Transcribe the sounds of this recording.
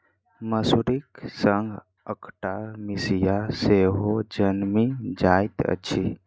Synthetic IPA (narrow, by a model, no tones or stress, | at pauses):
məsuɾiksəŋɡʱ | əkʰʈamisijaseɦod͡ʒənmid͡ʒajt̪ə̰t͡ʃʰi